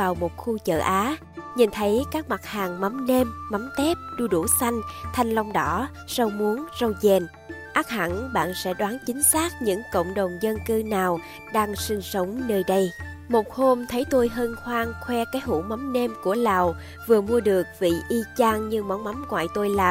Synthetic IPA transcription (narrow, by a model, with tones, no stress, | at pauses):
aː˨˩wmo˨˩t̚xu˧t͡ɕə̰ː˧˨˩ʔaː˨˦ | ɲi˨˩nt̪ʰə˨˦jkaː˦˥k̚ma˨˩t̚haː˨˩ŋma˨˦mne˧mːa˨˦mt̪ɛ˦˥p̚ɗu˧ɗu˧˩sa˧jŋ̟t̪ʰa˨˧jŋ̟la˧wŋ͡mɗɔ˧˥ | sə˧wmu˨˦ənzə˧wzɛ˨˩n | ʔaː˦˥k̚ha̰˧˩nɓa̰ː˧˨nsɛ̰˧˥ɗwaː˨˦nt͡ɕï˨˦ŋ̟saː˦˥k̚ɲɨ̰˧˥ŋkə̰˧˨wŋ͡mɗə˨˩wŋ͡mzə˧nkɨ˧naː˨˩w | ɗaː˧ŋsi˧ŋ̟sə˨˦wŋ͡mnəː˧jɗə˧j | mo˨˩t̚ho˧mt̪ʰə˨˦jt̪o˧jɦəː˧nxwaː˧ŋxwɛ˧kaː˨˦jɦṵ˧˥ma˨˦mne˧mku˧˩əlaː˨˩w | vɨ˨˩əmu˧əɗɨ˨˩ək̚vḭ˧˨ʔi˧t͡ɕaː˧ŋɲɨ˧ma˨˦wma˨˦mŋwa̰ː˧˨jt̪o˧jlaː˨˩